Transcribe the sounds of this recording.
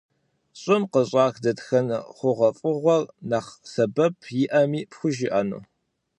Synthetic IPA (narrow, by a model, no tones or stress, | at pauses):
ɕʼɪmqəɕʼɑːxdɐtxɐnχʷʊʁɐfʼʊʁʷɔrnaːχsɐbɐpʰjɪʔɐmiːpxʷʊʒɪʔɐnṵː